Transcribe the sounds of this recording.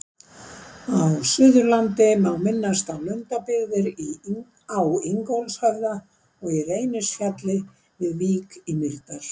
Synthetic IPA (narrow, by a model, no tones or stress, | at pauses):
aðsʏːðʏɾlant̪ɪmawmɪnːast̪awlœnt̪apɪɣðɪɾi | awiŋkowlshaɾða | ɔɣireːjnɪsfjat̪lɪ | vɪðviːkimɪɾt̪aɾ̥